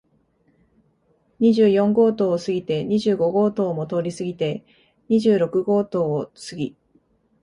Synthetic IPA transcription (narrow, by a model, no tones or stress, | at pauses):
ɲ̟iʑɨːjõ̞ŋɡo̞ːt̪o̞ːsɨɡʲit̪e̞ɲ̟iʑɨːɡo̞ɡo̞ːt̪o̞ːmo̞t̪o̞ːɾʲisɨɡʲit̪e̞ | ɲ̟iʑɨːɾo̞kɯ̟ɡo̞ːt̪o̞ːosɨɡʲi